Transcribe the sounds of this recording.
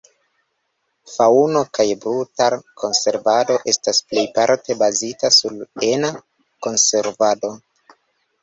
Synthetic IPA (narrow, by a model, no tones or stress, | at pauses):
fauno̞kajbɾutaɾkʰo̞nse̞ɾvado̞ʔe̞stasple̞jpaɾte̞bazitasulena | ko̞nse̞ɾvado̞